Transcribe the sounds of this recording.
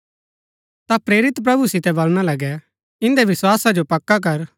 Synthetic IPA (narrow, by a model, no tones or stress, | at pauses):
t̪apɾeːɾɪt̪pɾɐbusɪt̪ɛbɐlɽ̃alɐɡɛ | ɪ̃nd̪ɛʋɪswaːsad͡ʒopɐkːak̬ɐɾ